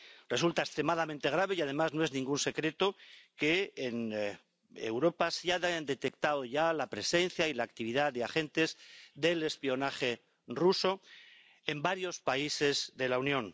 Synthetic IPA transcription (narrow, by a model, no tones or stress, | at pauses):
rre̞sult̪aest̪ɾe̞maðamẽnt̪e̞ɣ̞ɾaβ̞e̞jað̞e̞mazno̞e̞znĩŋɡunse̞kɾe̞t̪okeːn | ḛwɾo̞pasaðnd̪e̞t̪ekt̪aðoʝalapɾe̞se̞nθjailaːkt̪iβ̞iðaðeaxe̞nt̪e̞zðe̞le̞spio̞naχe̞ | ruso̞ | embaɾjo̞spaise̞zðe̞launjõ̞n